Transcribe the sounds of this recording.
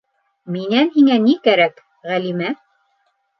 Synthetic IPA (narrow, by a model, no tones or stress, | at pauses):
minænɦiŋænikæɾæk | ʁælimæ